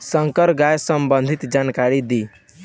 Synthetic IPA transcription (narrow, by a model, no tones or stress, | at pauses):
səŋkəɾɡajsəmbə̃nd̪ʱit̪d͡ʒankaɾid̪i